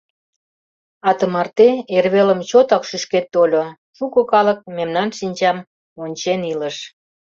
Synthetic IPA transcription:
ɑt̪əmɑrt̪eerβeləmt͡ɕot̪ɑkʃyʃket̪ːolʲo | ʃukɤ̆kɑlə̆k̚memnɑnʃinʲt͡ɕɑm | onʲt͡ɕeniləʃ

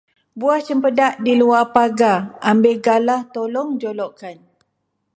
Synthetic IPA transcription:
buaht͡ʃəmpədaʔdiluapaɡaambeɡalaht̪olɔŋd͡ʒolɔʔkan

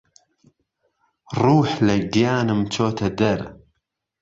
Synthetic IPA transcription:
rˤuːħlɐɡijaːnɨmt͡ʃoːt̪ʰɐd̪ɐɾ

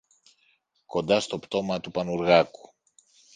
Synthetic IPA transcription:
ko̞nd̪ɐst̪o̞pt̪o̞mɐt̪upɐnuɾɣɐku̥

